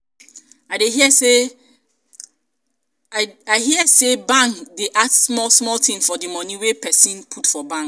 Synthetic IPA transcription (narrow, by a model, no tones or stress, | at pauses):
aɪdeɦiəse | aɪhiəsebãŋkdeʔadsmɔlsmɔltʰĩŋfɔdimɔ̃nĩwepʰɛsĩnpʰutfɔbãŋk